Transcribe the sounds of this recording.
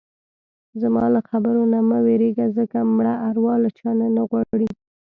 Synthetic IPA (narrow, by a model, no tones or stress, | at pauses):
zmɑlaxabəɾonamaweɾeɡazəkamɽaʔaɾwɑlat͡ʃɑnanaɣwaɽi